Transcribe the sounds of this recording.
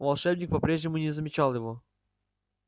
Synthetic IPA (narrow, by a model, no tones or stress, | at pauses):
vɐlˠʂɛbnʲɪk̚pɐpɾʲeʐnʲɪmʊnʲɪzəmʲɪt͡ɕalˠjɪvo